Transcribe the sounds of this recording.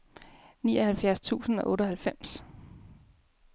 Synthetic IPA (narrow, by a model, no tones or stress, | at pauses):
niːɒhælfjæɐst͡sʰṵːsn̩ɒ̽ʔɔ̽ːɾəɦælfem̰s